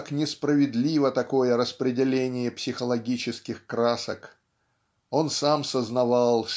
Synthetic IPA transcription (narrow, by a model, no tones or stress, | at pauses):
knʲɪspɾəvʲɪd̪lʲivət̪ɐko̞jəɾəspɾʲɪdʲɪlʲenʲɪjəpsʲɪxəlˠɐɡʲit͡ɕɪskʲɪxkɾasək | o̞nsamsəznɐvalˠ